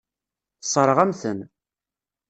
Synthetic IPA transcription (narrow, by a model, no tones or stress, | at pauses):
θsˤɾˤəʁæmθən